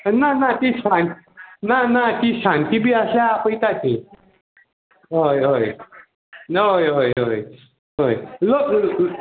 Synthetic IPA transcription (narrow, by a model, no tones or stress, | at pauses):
nanat̪iɕaninanat̪iɕãnt̪ibiːasljaːpəit̪at̪i | ɦojɦoj | ɦojɦojɦoj | ɦojlok